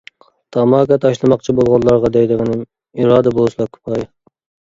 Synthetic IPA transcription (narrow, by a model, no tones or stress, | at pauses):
t̪ʰɑmɑːkɑt̪ʰɑʃlˠɨmɑqt͡ʃʰibolˠʁɑllˠɑɾʁɑd̪ɛjd̪ɨʁɨnɨm | iɾɑːd̪ɛbolˠʃlˠɑkʰʊ̥pʰɑj